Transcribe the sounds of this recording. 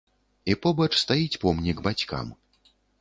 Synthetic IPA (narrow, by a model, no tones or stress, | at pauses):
ipɔbɐt͡ʂst̪ajit͡sʲpɔmnʲiɡbat͡sʲka̰m